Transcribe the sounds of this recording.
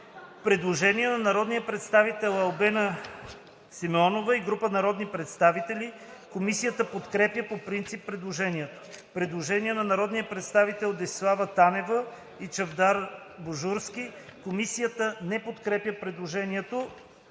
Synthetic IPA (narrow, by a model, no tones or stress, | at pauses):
pɾɛd̪lˠoʒɛniɛnɐnɐɾɔd̪nijəpɾɛt̪st̪avit̪ɛlˠɐlˠbɛnə | simɛɔnovəiɡɾupənɐɾɔd̪nipɾɛt̪st̪avit̪ɛli | komisijət̪əpot̪kɾɛpjəpopɾint̪sipːɾɛd̪lˠoʒɛniɛt̪o̥ | pɾɛd̪lˠoʒɛniɛnɐnɐɾɔd̪nijəpɾɛt̪st̪avit̪ɛlˠd̪ɛslˠavət̪anɛvə | it͡ʃɐvd̪aɾ | boʒuɾskʲikomisijət̪ənɛpot̪kɾɛpjəpɾɛd̪lˠoʒɛniɛt̪o